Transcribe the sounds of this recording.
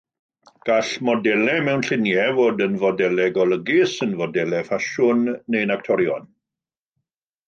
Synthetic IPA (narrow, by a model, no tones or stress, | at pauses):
ɡ̥aɬmɔdɛlɛmɛwnɬɪnjɛvoːdənvɔdɛlɛɡɔləɡɪsənvɔdɛlɛfaʃʊnːejnak̚tʰɔɾjɔn